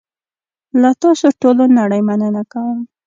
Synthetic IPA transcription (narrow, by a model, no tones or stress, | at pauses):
lat̪ɑsoʈolonaɽajmanənakawəm